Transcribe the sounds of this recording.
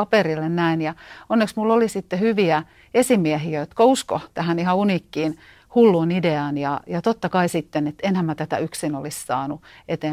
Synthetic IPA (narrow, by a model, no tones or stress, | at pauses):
ɑperilːennæinjɑonːeksmulːolisit̪ːehyʋiæ | esimiæhiæjot̪kousko̰t̪æhænihɑunikːiːn | hulːuːnideɑːnjɑjɑt̪ot̪ːɑkɑisit̪ːenet̪enhæmæt̪æt̪æ̰yksinolissɑ̰ːnuet̪eː